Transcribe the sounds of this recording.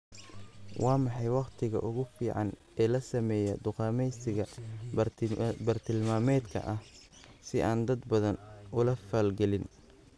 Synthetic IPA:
wʔɑːmɑħɑjwɑqt̪ʰɪɣɐ̰ʔʊɣʊfiːʕɑn | ɛːlɐsɐmɛːjɐd̪ʊqɑːmɛjsɪɣɐ | bɐrt̪ʰɪlmaːmɛːd̪kʰɐ̰ʔɐhsɪʔaːnd̪ɐd̪bɐðɐnʊlɐfaːlɡɛlɪn

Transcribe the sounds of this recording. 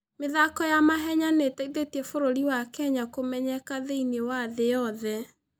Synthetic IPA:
meðakɔjamaɦɛɲaneteiðetiɛfoɾoɾiwakɛɲakomɛɲɛkaðeinewaðejɔðɛ

